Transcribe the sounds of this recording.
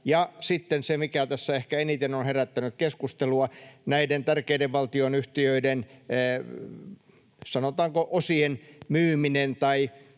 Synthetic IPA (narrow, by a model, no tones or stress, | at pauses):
jɑsit̪ːensemikæt̪æsːæehkæenit̪enonheræt̪ːænyt̪keskust̪eluɑnæident̪ærkeideʋʋɑlt̪ionyht̪iøidenː | sɑnot̪ɑːŋkoʔosienmyːminent̪ɑi